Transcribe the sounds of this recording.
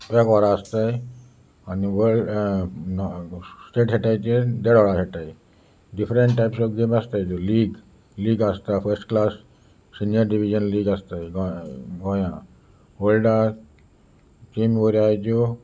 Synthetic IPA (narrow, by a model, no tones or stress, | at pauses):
ekʋɔɾaəst̪aj | aniʋəɭ | sʈeʈɕeʈajt͡ɕed̪eɽɔɽaɕeʈaj | ɖifɾeɳʈʈajpsɔkɡemast̪ajd͡ʑoliːɡ | liːɡəst̪afəɾsʈklasː | inijəɾɖiʋid͡ʑənliːɡəst̪ajɡɡɔ̃jã | ʋəlɖa | t͡ɕimʋoɾiajd͡ʑo